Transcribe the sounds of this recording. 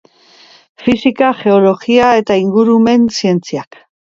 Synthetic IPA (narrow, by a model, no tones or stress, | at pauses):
fisikaʝe̞o̞lo̞ɣiae̞t̪aiŋɡuɾume̞nsie̞nt͡siak